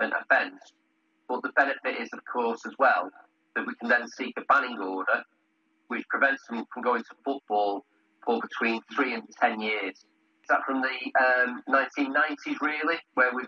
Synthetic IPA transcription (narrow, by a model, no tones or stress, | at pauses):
ə̃nʔə̰fɛ̃ns | b̥ʌʔðəbɛnɪfɪtɪzəv̥kʰɔˑsəzwɛlˠ | ðəʔwikʰə̃nðə̃nsiˑkəbanɪ̃ŋɔːɾə | wɪt͡ʃpʰɹ̥ɪvɛ̃ntsə̃mfɹə̃mɡoʊɪ̃ŋtʰəfʊʔ̚b̥ɔːlˠ | fəbɪtʰw̥ĩːnθɹiːə̃ntʰɛ̃njɪəz̥ | ɪsðətfɹə̃mðəə̃mnãɪ̃ntʰĩnːãɪ̃ntʰɪzɹɪəlˠiwəwɪ